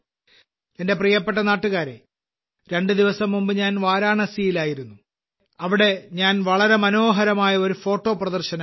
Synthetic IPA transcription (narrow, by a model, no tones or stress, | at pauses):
ende̞prijɐpːe̞ʈːɐnaːʈːuɣaːɾḛ | ɾe̞ɳɖɨd̪iʋɐsɐmːumbɨɲaːnʋaːɾaːɳɐsijilaːjiɾunːu | ɐʋiɽe̞ɲaːnʋɐɭɐɾe̞mɐno̞ːɦɐɾɐmaːjɐo̞ɾufo̞ːʈːo̞ːprɐðɐrɕɐnɐ